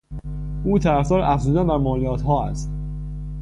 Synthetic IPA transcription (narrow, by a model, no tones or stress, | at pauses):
ʔuːt̪ʰæɾæfd̪ɒːɾʔæfzuːd̪ænbæɾmɒːliɒːt̪hɒːæ̰st̪